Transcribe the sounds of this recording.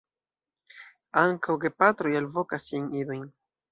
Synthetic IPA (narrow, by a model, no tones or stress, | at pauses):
aŋkʰawɡepat̪ɾo̞jalvo̞kasːiajnido̞jn